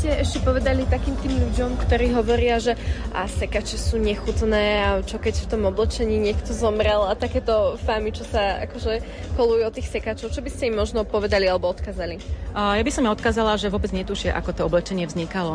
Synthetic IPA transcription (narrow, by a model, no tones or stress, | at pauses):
scɛʔɛʃcɛpɔʋɛd̪alit̪akiːmt̪iːmʎuɟɔmkt̪ɔɾiːɦɔʋɔɾɪaʒɛʔa̰sɛkat͡ʃisuːɲɛxut̪nɛːat͡ʃɔkɛcft̪ɔmɔblɛt͡ʃɛɲiːɲɪɛkt̪ɔzɔmɾɛlat̪akɛːt̪ɔfamit͡ʃɔsaa̰kɔʒɛ | kɔlujɛɔt̪iːxsɛkat͡ʃɔʊt͡ʃɔbiscɛimːɔʒnɔpɔʋɛd̪alialɛbɔɔt̪kaːzalijabisɔmɔt̪̚kaːzalaʒɛʋʊɔbɛd͡zɲɛt̪uʃɪaʔa̰kɔt̪ɔɔblɛt͡ʃɛɲɪɛvzɲikalɔ